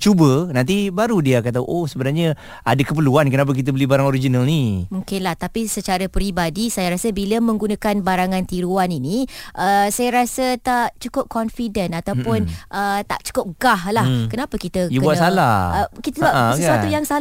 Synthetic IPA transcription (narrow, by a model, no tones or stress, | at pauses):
t͡ʃubənãnt̪̬ibaɾudiakat̪aʔohsəbənaɾɲə | a̰dəkəpəluankənap̬ək̬it̪̬əbəlibaɾaŋoɾid͡ʒinalnimũŋkɪnlaht̪apisət͡ʃaɾəpɾibadisajaɾasəbiləmə̃ŋɡunakanbaɾaŋãnt̪iɾuaniniʔəsajaɾasət̪aʔt͡ʃukʊp̚kɔnfidənat̪awpʊnʔət̪a̰ʔt͡ʃu̥kʊp̚ɡahlahkənapəkit̪əjəbkəuasalla̰həkit̪əsəbapəsuat̪ujaŋsa